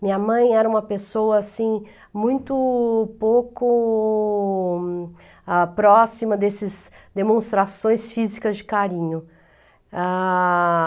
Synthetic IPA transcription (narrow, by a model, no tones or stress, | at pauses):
mĩɲɐmɐ̃j̃ɛɾɐũmɐpesowɐasĩ | mũj̃t̪ʊpowkʊ | apɾɔsimɐd̪esɪzd̪emõst̪ɾasõj̃sfizikɐzd͡ʒɪkaɾĩɲʊ | a